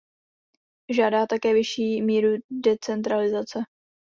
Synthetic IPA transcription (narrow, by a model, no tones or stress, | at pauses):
ʒaːdaːt̪akɛːvɪʃiːmiːɾudɛt͡sɛnt̪ɾalɪzat͡sɛ